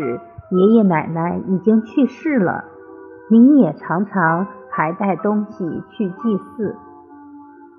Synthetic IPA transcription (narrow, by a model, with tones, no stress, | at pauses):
ɻ̩˨˧˦jɛ˧˥jɛ˧˥ma˨˩ɪna˧˥ɪi˨˩t͡ɕi˥ŋt͡ɕʰy˥˧ʂɻ̩˥˩lə̰˩ | ni˧˥njɛ˨˩ʈ͡ʂʰɑ˧˥ŋʈ͡ʂʰɑ˧˥ŋxʰa˧˥ɪt̪a˥˩ɪt̪ʊ˥ŋɕi˨t͡ɕʰy˥˧t̪i˥˧sɹ̩˥˩